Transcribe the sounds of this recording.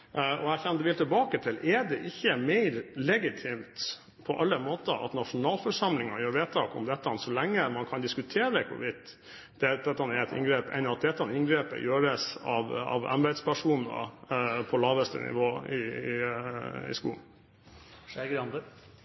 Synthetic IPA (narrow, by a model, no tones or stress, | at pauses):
ʔɔæçɛnd̪əʋɪlt̪ʰɪlbɑːkət̪ʰɪlʔɛɖɛʔɪçːəmæɪɾlɛɡɪt̪ʰiːmt̪ | pʰɔʔɑlːəmoːt̪ə̰ʔɑ̰t̪nɑʂʊnɑːlfɔɾʂɑmlɪŋɑjøːɾʋeːt̪ʰːɑkɔ̰md̪ɛt̪ːɑnsɔlæŋːəmɑnkʰɑnd̪ɪskʉt̪ʰeːɾəkʰʊ̰ʋɪd̪ | d̪̥ɛd̪ɛt̪ːɑnɛɛt̪ɪ̰ŋɡɾeːpɛ̰nɑt̪̚d̪ɛt̪ːɑnɪnŋɡɾeːpə̰jøːɾəsɑ̰ʋɑ̰ʋɑ̰mbɛd̪spʰæʂuːnə̰pʰɔlɑːʋəst̪ə̰nɪ̰ʋoːɪɪ | ɪ̰skṵːn | ɡɑnd̪ə